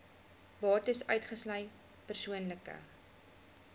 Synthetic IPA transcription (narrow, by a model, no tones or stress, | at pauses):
bɑːtəsœ̰ɥtχəslɐj | pərsuənləkə̰